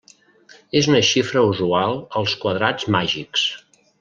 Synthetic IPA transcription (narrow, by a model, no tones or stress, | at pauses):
ezunəʃifɾəuzualˠəlˠskwəðɾad͡zmaʒiks